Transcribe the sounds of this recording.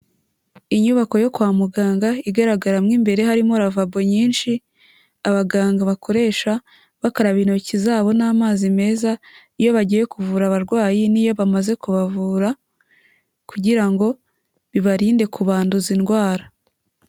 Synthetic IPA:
iɲuβako̞jo̞kwaːmuɡaːŋɡaiɡaɾaɡaɾamŋiːmbe̞ɾe̞ɦaɾimoɾavabo̞ɲiːnʃi | aβaɡaːŋɡaβakʰo̞ɾe̞ːʃa | βakaɾaβino̞cizaːβo̞naːmaːzime̞ːza | ijo̞βaɟije̞kuvuːɾaβaɾɡwaːjinijo̞βamaze̞kuβavuːɾa | kuɟiɾaŋɡo̞ | βiβaɾiːnde̞kuβaːnduzinɡwaːɾa

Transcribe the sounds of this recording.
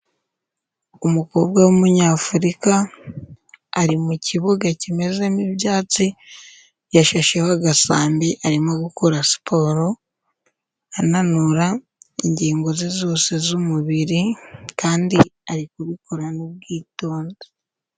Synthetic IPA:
umuko̞ːbɡawumuɲaːfuɾika | ɾimuciβuɡacime̞ze̞mibjaːt͡si | jaʃaʃe̞hoaɡasaːmbiʔaɾimoɡukuɾasi̥pʰo̞ːɾo̞ | ananuɾa | iɲɟiːŋɡo̞zizoːse̞zumuβiɾikaːndiaɾikuβikoɾanub̚ɡiːto̞ːndo

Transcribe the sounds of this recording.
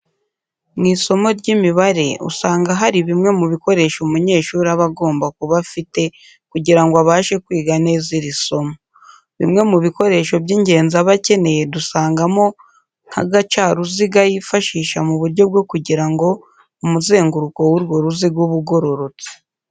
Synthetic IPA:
mŋiːso̞mo̞ɾɟimiβaɾe̞ṵsaːŋɡaɦaɾiβimŋe̞muβiko̞ɾe̞ʃumuɲe̞ːʃuːɾiaβaɡo̞ːmbakuβafite̞ | kuɟiɾaŋɡoaβaːʃe̞kwiːɡane̞ːziɾiso̞mo | βḭmŋe̞muβiko̞ɾe̞ːʃo̞bɟiːɲɟe̞ːnzaβace̞ne̞je̞dusaːŋɡamo̞ | n̥ha̰ɡat͡ʃaɾuziɡajifaʃiːʃa̰muβuɾɟo̞b̚ɡo̞kuɟiɾaŋɡo̞ | umuze̞ːŋɡuɾuko̞wuɾɡo̞ɾuziɡuβuɡo̞ɾo̞ɾo̞t͡si̥

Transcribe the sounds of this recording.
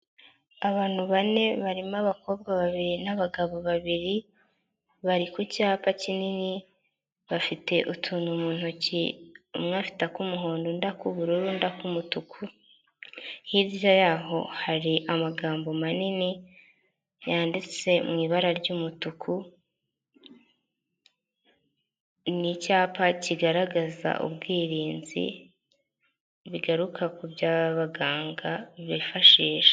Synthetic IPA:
aβaːn̥huβane̞βaɾimaβako̞ːb̚ɡaβaβiɾinaβaɡaβo̞βaβiɾi | βaɾikucaːpacinini | βafite̞ʔutʰunumuːn̥hociumŋaːfi̥takumuɦo̞ːndondakuβuɾuːɾundakumutukʰu | hizjajaɦo̞haɾiʔamaɡaːmbo̞manini | jaːndit͡se̞mŋiːβaɾaɾɟuːmutukʰu | nicaːpaciɡaɾaɡaza̰ʔṵbɡiːɾiːnzḭ | βiɡaɾukʰakubjaːβaɡaːŋɡaβifaʃiːʃe̥

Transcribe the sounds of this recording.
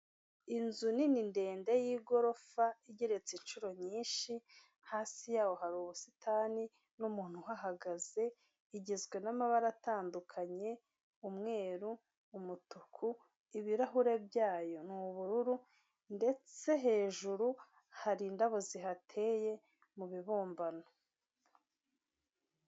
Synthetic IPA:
inzunininde̞ːndejiːɡo̞ɾo̞faiɟeɾe̞t͡sint͡ʃuɾo̞ɲiːnʃi | haːsijaːwo̞haɾuːβusi̥tʰaːni | numuːn̥huɦaɦaɡaz̥e̞ | iɟezɡwe̞namaβaɾataːndukʰaɲe̞ | umŋe̞ːɾuː | mutukʰu | iβiɾaɦuɾe̞bjaːjo̞nuβuɾuɾu | nde̞t͡se̞ɦe̞ːʒuɾu | haɾiːndaβoziɦatʰe̞ːje̞ | muβiβuːmbano

